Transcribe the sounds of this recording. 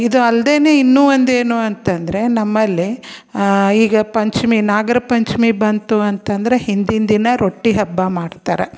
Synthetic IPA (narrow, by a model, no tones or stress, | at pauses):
id̪uɐld̪e̞ːne̞ːinːuːʋɐnd̪e̞ːnuɐnt̪ɐnd̪ɐɾe̞nɐmːɐlːi | iːɡɐpɐɲt͡ʃminaːɡɐɾɐpɐɲt͡ʃmibɐnt̪uɐnt̪ɐnd̪ɐɾe̞hind̪ind̪inɐɾʔo̞ʈːiɦɐbːɐmaːɖt̪aːɾe